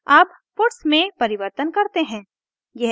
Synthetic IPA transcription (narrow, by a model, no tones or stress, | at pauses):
aːp | pʊʈsmẽpɐɾɪʋəɾt̪ənkɐɾt̪eɦɛ̃ː | jɛɦ